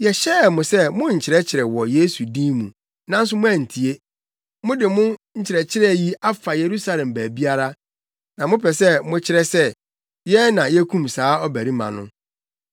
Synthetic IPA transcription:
jɛ˨ɕɛ˦˨mʊ̃˨sɛ˦mʊ̃˦ɲ̩˨t͡ɕʰɪ˨ɾɛ˦t͡ɕʰɪ˨ɾɛ˨wɔ˨je˦su˨dĩ˦mũ˨ | nã˦n̩˦s̬ʊ˦mʊ̃˦æ˨n̩˨tʰi˨e˦ | mʊ̃˦dɪ˨mʊ̃˦ɲ̩˦t͡ɕʰɪ˨ɾɛ˨t͡ɕʰɪ˦ɾɛ˦˨ji˦a˦fa˨je˨ɾu˦sa˦lɛ̃˨mbæː˨bi˦a˦ɾa˦ | nã˨mʊ̃˦pʰɛ˨sɛ˦mʊ̃˦t͡ɕʰɪ˦ɾɛ˦sɛ˦ | jɛ˦nã˨jɛ˦kʰũ˦msaː˨˦ɔ˦bæ˨ɾi˦mã̰˨nʊ̰̃˦

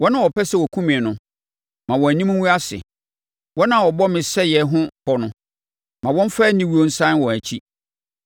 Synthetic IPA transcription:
wɔ˦nã˦˨wɔ˨pɛ˦sɛ˦˨wɔ˨kʰũ˦mĩ˨nʊ̃˨ | mã˨wɔ̃˨æ˨ɲĩ˦m̃˦wũ˦a˦sɪ̰˨ | wɔ˦nã˦˨wɔ˨bɔ˦mɪ̃˨sɛ˦jɛ˨ɦʊ̃˦pɔ˨nʊ̃˦ | mã˨wɔ̃˦n˦faː˦nĩ˦wu˦o˦n̩˦sã˦n˦wɔ̃˨æ˨t͡ɕʰi˦

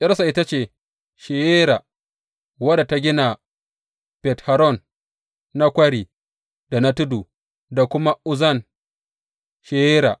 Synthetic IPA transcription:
ʔʲʼɐ˦rsa˨ʔɪ˦ta˦t͡ʃeː˨ | ʃe˨jeː˦ɾa˨ | wɐ˦da˨ta˦ɡʲɪ˦na˨ | b̥ɛ˨tha˨ɾɔ˦˨nː | a˦kʷɐ˦ɾi˨ | da˨na˦tʊ˦duː˨ | da˨kʷʊ˦ma˦ʔʊ˦zɐ˦˨n | ʃe˨jeː˦ɾa̰˨

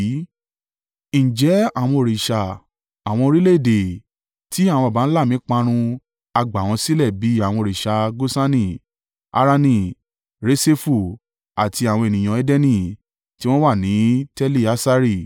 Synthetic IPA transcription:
n̩˨d͡ʒɛ˨˦a˨w̃ɔ̃˧o˨ɾi˨ʃa˨ | a˨w̃ɔ̃˧o˧ɾi˦le˦˨de˨ | ti˦a˦˨w̃ɔ̃˧˨ba˨˦n̩˦la˦˨mĩ˨˦k͡pã˧ɾ̃ũ˧ | a˧ɡ͡ba˨w̃ɔ̃˧si˦lɛ˦˨bi˨˦a˦˨w̃ɔ̃˧o˨ɾi˨ʃa˧ɡo˦sa˦nĩ˦˨ | a̰˧ɾa˧nĩ˧˨ | ɾe˦se˦fu˧ | a˨tʰi˧a˨w̃ɔ̃˧e˨nĩ˨j̃ã˨ɛ˦dɛ˦nĩ˦˨ | ti˦w̃ɔ̃˦wa˦˨nĩ˨˦tɛ˦li˦˨a˦sa˧ɾi˦˨

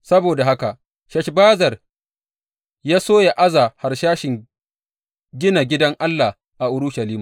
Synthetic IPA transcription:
sɐ˦boː˨da˨ɦa˦ka˨ʔ | ʃɛ˦ʃbaː˦zɐ˨r | jaː˦soː˦ja˨ʔa˦zaː˨ha˨rʃaː˦ʃɪ˨ŋ | ɡʲɪ˦na˨ɡʲɪ˦dɐ˦ŋʔa˦lːa˨ | ʔa˨ʔʊ˦ɾʊ˦ʃɐ˨liː˦ma˨

